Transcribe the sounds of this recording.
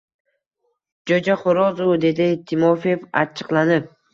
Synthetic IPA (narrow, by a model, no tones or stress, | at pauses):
d͡ʒod͡ʒaχʊɾɒzʊd̪e̞d̪ɪt̪ʰɪmɒfeva̰t͡ʃʰɨ̥qlˠanɪp̚